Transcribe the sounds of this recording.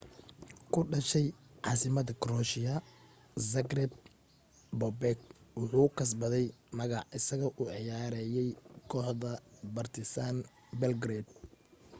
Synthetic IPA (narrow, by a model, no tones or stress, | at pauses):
kʰʊɖɐʃɛjʕɑːsɪmɐd̪ɐkʰrɔʃɪjɐ | sɐɡrɛb̚ | bɔbɛk̚wʊħuːkʰɐs̬bɐðɛjmɐɣɑʕʔɪsɐɣɐʔʊʕɪjaːɾɛjɛjkʰɔːħðɐbɐrt̪ʰɪsaːn | bɛlɡɾed̪̚